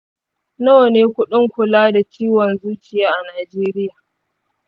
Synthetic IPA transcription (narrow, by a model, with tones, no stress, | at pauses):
no˦neː˦kʷʊ˦ɗʊ˦ŋkʷʊ˨laː˦da˨t͡ʃiː˦wɔ˨nzuː˦kʲɪ˨jaː˦ʔa˨naː˨d͡ʒeː˦ɾɪ˦jaː˨